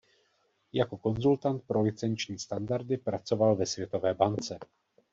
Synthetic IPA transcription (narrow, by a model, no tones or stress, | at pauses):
jako̞ko̞nzult̪ant̪̚pɾo̞lɪt͡sɛnt͡ʃɲiːst̪andaɾdɪpɾat͡so̞valvɛsvjɛt̪o̞vɛːbant͡sɛ